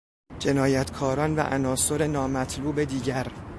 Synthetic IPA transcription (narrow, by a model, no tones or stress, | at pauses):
d͡ʒe̞nɒːjæt̪ʰkʰɒːɾɒːnvæ̰ʔænɒːso̞ɾe̞nɒːmæt̪ʰluːbe̞d̪iːɟæɾ